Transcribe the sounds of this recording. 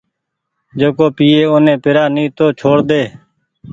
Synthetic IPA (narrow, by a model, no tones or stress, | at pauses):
d͡ʒoːkoːpiːeːoːnẽːpɪɾaːnĩːt̪oːt͡ʃʰoːɽd̪eː